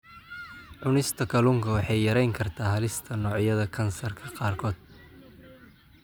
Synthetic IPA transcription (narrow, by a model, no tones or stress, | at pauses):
ʕʊnɪst̪ʰɐkʰɐluːŋkʰɐwɑħɑjːɐɾɛjŋkʰɐrt̪ʰaːɦɐlɪst̪ʰɐnɔːʕjɐðɐkʰɐnsɐrkʰɐqɑːrkʰɔːd̪̥̚